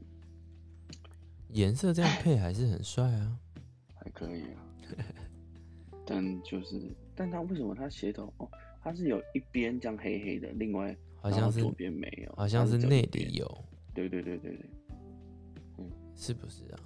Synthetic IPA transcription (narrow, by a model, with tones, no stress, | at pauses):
jɛ˨˦nsɤ˥˧ʈ͡ʂɤ˥˧jɑ˥˨ŋpʰe˥˩ɪxa˧˥ɪʂ̬ɻ̩˥˩xə˨˩nswa˥˧ɪa˩ | xa˧˥ɪkʰə˧˦ḭ˨˩a˩ | t̪a˥˨nt͡ɕjo˥˧ʊʂɻ̩˥˩t̪a˥˨nt̪ʰa˦˥we˥˩ɪʂə˨˦mə̰˧t̪ʰa˥ɕjɛ˧˥t̪ʰo˨˩ʊʔɔ˨˩ | t̪ʰa˥ʂ̬ɻ̩˥˩jo˨˩ʊi˥pjɛ˦nt͡ɕjɑ˥˦ŋxe˦˥ɪxe˦˥ɪd̪ə̰˨li˥˧ŋwa˥˩ɪ | xɑ˨˩˨jɑ˥˨˥ʂɻ̩̰˥˨˦pjɛ˦nmḛ˧˦ɪjo̰˨˦hɕ̬jɑ˥˧ŋʂ̬ɻ̩˥˧˨ne˥˩ɪlḭ˨˦jo̰˨˩˦ʊ | t̪we˥˩ɪt̪we˥˧t̪we˥˧ɪt̪wḛ˥˩t̪wḛ˥˩ | n̩˥˩ | ʂɻ̩˥˩bu˨˩ʂɻ̩˥˩a̰˩